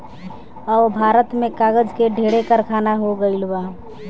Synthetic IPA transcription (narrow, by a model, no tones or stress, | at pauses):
ɔʋbʱaːɾət̪mẽkaːɡəd͡ʒkeɖʱeːɽekəɾkʰaːnaɦoɡəilbaː